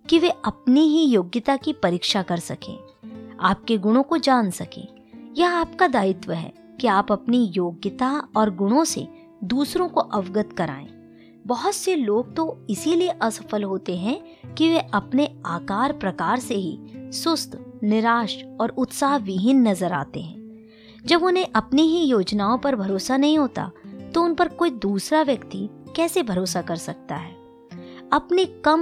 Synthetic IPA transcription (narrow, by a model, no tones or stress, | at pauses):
kiʋeɐpniɦijoːɡjət̪akipɐɾiːkʃakɐɾsɐkḛ̃ː | aːp̚keɡʊɽ̃õkod͡ʒaːnsɐkḛ̃ː | jɐaːpkad̪aːɪt̪ʋəɦɛ̰ː | kiaːpɐpnijoːɡjət̪aɔːɾɡʊɽ̃õsḛ | d̪uːsɾõkoʔɐʋɡət̪kɐɾa̰ːḛ̃ː | bɐɦʊt̪seloːɡ̚t̪oɪsilieʔɐsə̥fəlɦoːt̪eɦɛ̃ | kiʋeʔɐpneaːkaːɾpɾɐkaːɾseɦḭsʊst̪ʰnɪɾaːʃɔːɾʊt̪saːɦʋɪɦɪnːɐzəɾa̰ːt̪ḛɦɛ̰̃ː | d͡ʒɐbʊnɦẽʔɐpniɦijoːd͡ʒnaːõpɐɾbʱɐɾoːsanɐɦĩɦoːt̪a̰t̪oʊnpɐɾkoːid̪uːsɾaʋjɐkt̪ikɛːsebʱɐɾoːsakɐɾsɐk̚t̪a̰ɦɛː | ɐpnekɐm